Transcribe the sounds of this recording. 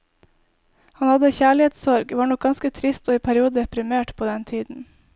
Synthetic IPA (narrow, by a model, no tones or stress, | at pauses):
hɑnhɑd̪əçæːɭɪeːt̪sɔɾɡʋɑːɳɔk̚ɡɑnskət̪ʰɾɪst̪oːiːpʰæɾɪuːd̪əɛpɾɪmeːʈpʰoːd̪ɛnt̪ʰiːd̪n̩